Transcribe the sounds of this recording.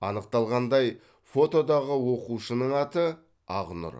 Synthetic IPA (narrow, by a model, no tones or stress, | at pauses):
ɑnəq̚t̪ɑlˠʁɑnd̪ɑj | fo̞t̪o̞d̪ɑʁəwo̞quʃənəɴɑt̪ə | ɑʁnʊ̰ɾ